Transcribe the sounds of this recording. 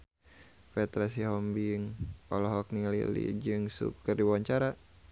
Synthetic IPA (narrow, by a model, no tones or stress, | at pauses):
pɛt̪ɾas̬iɦɔmbiŋpɔlɔɦɔk̚nilḭlḭd͡ʒɨŋsṵkərdiwawaɲt͡ʃaɾa